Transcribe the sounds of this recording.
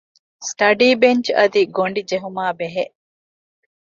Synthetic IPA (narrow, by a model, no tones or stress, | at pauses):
sʈɐɖiːbeɲt͡ʃɐd̪iɡoɳɖid͡ʒeɦumaːbeɦeʔ